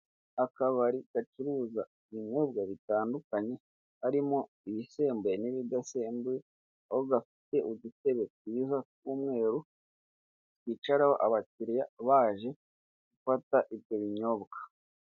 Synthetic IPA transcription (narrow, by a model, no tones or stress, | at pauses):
akaβaɾiɡ̥at͡ʃuɾuːzaiβiɲo̞b̚ɡaβitaːndukaɲe̞ | haɾimo̞ | iβise̞ːmbweniβidase̞ːmbwe | ahoɡafi̥te̞ʔudute̞βe̞kwiːzakuːmŋe̞ːɾu | twiːt͡ʃaɾaho̞̰ʔaβaciɾjaβaːʒe̞ | ɡ̥ufataʔibjo̞βiɲo̞bɡḁ